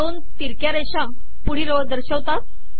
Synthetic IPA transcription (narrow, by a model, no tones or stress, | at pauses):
d̪on | t̪iɾkjaɾeɕã | puɽ̤iɾoʋd̪əɾɕəʋt̪at̪̚